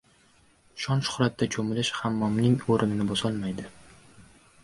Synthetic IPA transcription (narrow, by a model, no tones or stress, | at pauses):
ʃɒnʃʊ̥χɾat̪̚ːat͡ʃʰɵmɪlɪʃhamːɒmnɪŋoɾɪnɪnɪbɒsɒlˠmajd̪ɪ